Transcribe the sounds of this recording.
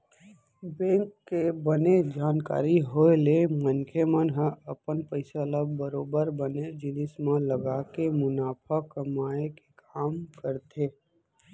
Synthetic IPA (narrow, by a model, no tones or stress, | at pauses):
bẽːŋkːebəned͡ʒaːnka̰ːɾiɦoelemənkʰemənɦə̃əpənpəɪsaləbbəɾoːbəɾbəned͡ʒɪnɪsmãləɡaːkemʊnaːpʰəkəmaːeke̥kaːmkəɾt̪ʰeː